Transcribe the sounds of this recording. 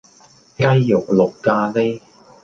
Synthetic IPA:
kɐ˥jːʊ˨˩k̚lʊ˨kːaː˧le˥

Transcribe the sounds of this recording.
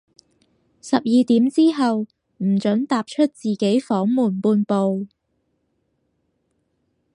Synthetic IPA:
sɐ˨p̚jiː˨˧t̪iː˨˥mt͡siː˥ɦɐ˨w | m̩˨˩t͡ʃɵ˨˥ŋt̪aː˨p̚t͡ʃʰɵ˥t̚t͡siː˨ke˨˥jfɔː˨˥ŋmuː˨˩npuː˧npo˨w

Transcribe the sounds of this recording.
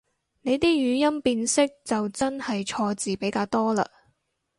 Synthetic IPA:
ne˨˧jt̪iː˥jyː˨˧jɐ˥mpiː˧nsɪ˥k̚t͡sɐ˨wt͡sɐ˥nhɐ˨jt͡ʃʰɔː˧t͡siː˨˩pe˨˥jkaː˧wt̪ɔː˥la̰ː˧

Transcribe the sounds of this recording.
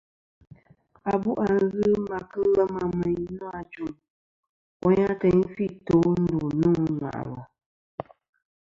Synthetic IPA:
a˨bu˦ʔa˨n˦ɣɨ˦ma˨kɨ˦lə˦ma˦mɛ˨ɲ˦nɔ˦a˨t͡ʃu˦˨ŋ | wɔ˦ɲã˦tɛ˨ɲfi˦˨to˨˦n̩˦du˨nu˦˨ŋ˨ŋa̰˨ʔla˨

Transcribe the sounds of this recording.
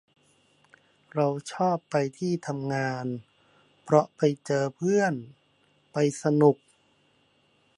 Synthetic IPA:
ɾa˧wt͡ɕʰɔː˥˩pːa˧jt̪ʰiː˥˩t̪ʰa˧mŋaː˧n | pʰɾɔ˦˥ʔpa˧jt͡ɕɤː˧pʰɯ˥˩ən | pa˧jsa˧nu˨˩k̚

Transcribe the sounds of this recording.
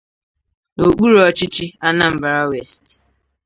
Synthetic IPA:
o˨k͡pu˦ɾɔ˦t͡ʃɪ˦t͡ʃi˦a˦na˦m̩˨ba˨ɾa˦we˨st

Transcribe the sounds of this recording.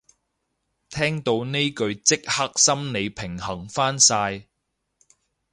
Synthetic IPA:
t̪ʰɛː˥ŋt̪o˧wne˥jkɵ˧ɥt͡sɪ˥k̚hɐ˥k̚sɐ˥mne˨˧jpʰɪ˨˩ŋhɐ˨˩ŋfaː˥nsaː˧j

